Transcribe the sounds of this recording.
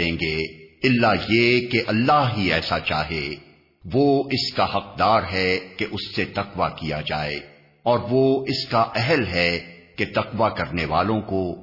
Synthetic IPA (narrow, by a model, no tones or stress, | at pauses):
ẽːŋɡeɪlːajekeʔɐlːaɦɦiɛːsat͡ʃaːɦe | ʋoɪskahɐq̚d̪aːɾɦɛkeʔʊsːet̪ɐqʋakijad͡ʒaːḛː | ɔːɾʋoɪskaʔɛɦəlɦɛket̪ɐqʋakɐɾneʋaːlõko